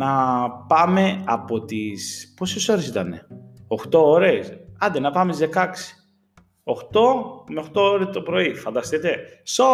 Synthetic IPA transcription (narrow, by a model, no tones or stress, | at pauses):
nɐpɐme̞ɐpo̞t̪ispo̞seso̞ɾe̞sit̪ɐne̞̰o̞xt̪o̞oɾe̞sɐnd̪enɐpɐmet̪izðe̞kɐksi̥ | o̞xt̪o̞meoxt̪o̞oɾet̪opɾo̞ifɐnd̪ɐst̪it̪e̞so